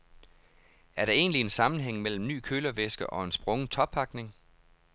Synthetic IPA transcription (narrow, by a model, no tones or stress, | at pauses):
æɐɾ̥ɑ̈e̝̰ːnlie̝nsɑ̈mn̩ɦeŋ̰mel̰m̩ny̰ːkʰøːlɐʋesɡ̥əʔɒ̽e̝nsb̥ʁɔ̽ŋət͡sʰɒ̽b̥pʰɑ̈ɡ̥ne̝ŋ